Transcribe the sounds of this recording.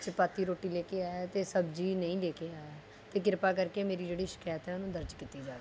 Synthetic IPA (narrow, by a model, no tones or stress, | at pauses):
t͡ʃəpaːt̪ːiːɾoːʈːiːleːkeaːɛːt̪eːsəb̚d͡ʒiːnəĩːleːkeaːɛː | t̪eːkɪɾpaːk̬əɾkemeːɾiːd͡ʒeːɽiːʃɪ̥kaːjət̪ɦɛːʊnũːd̪əɾd͡ʒkiːt̪ːiːd͡ʒaːɾ